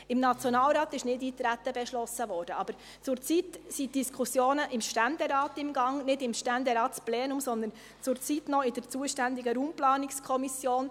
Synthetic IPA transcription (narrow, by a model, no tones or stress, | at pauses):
ɪmnɑt͡sjɔnɑːlɾɑːt̪ɪʃnɪdiːt̪ɾæt̪ːəbɛʃlɔsəvɔːɾd̥əɑb̥əɾ | t͡sʊɾt͡sitsit̚d̥iskʰʊsjoːnəʔɪmʃtænd̥̪ɛɾɑːtɪmɡɑŋnɪdɪmʃtænd̪ɛɾɑːtsplɛːnʊmsɔnd̪ən | t͡sʊɾt͡sitnɔɪd̥əɾt͡suːəʃtænd̪ɪɡəɾuːmplɑːnɪkskʰɔmisjoːn